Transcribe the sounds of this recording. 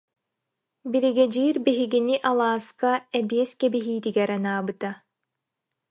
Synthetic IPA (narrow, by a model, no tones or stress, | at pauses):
biɾiɡɛd͡ʒiːɾbiɦiɡiniʔalˠaːskaɛbiɛskɛbiɦiːt̪iɡɛɾɐnaːbɯt̪a